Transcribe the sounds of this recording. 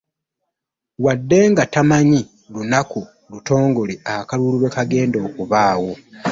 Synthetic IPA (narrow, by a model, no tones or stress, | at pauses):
wadːe̞ːŋɡatamaɲi | lunaku | luto̞ːŋɡo̞liakaluliɾwe̞kaɡe̞ːndo̞ːkuβaːwo̞